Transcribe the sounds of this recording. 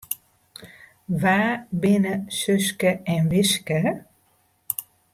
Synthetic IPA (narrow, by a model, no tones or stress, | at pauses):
ʋaːbɪnəsøskəɛnʋɪʃkə